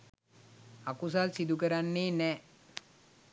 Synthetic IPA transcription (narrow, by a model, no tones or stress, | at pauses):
akus̬alsid̪ukəɾanːeːnɛː